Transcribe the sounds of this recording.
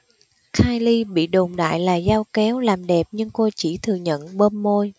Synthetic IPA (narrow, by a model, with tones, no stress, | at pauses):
xʰaː˧jli˧ɓḭ˧˨ɗo˨˩mɗa̰ː˧˨jlaː˨˩zaː˧wkɛ˨˦wlaː˨˩mɗɛ˨˩p̚ɲɨ˧ŋko˧t͡ɕḭ˧˩t̪ʰɨ˨˩əɲə̰˧˨nɓəː˧mːo˧j